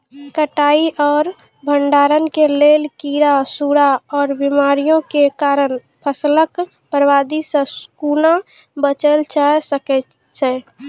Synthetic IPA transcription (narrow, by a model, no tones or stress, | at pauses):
kəʈaiʔɔːɾ | bʱəɳɖaːɾənkelelkiɾasuɾaɔːɾbimaɾijõkekaɾən | pʰəslək | pəɾʋad̪isə̃skuna | bət͡ʃəlt͡ʃʰasəkɛ | t͡ʃʰɛ